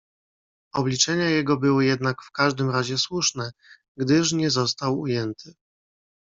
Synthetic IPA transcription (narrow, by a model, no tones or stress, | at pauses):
ɔblʲit͡ʂɛɲajɛɡɔbɘwɘjɛd̪nakfkaʐd̪ɘmɾaʑɛswuʂnɛ | ɡd̪ɘʂ̬ɲɛzɔst̪awṵjɛnt̪ʰɘ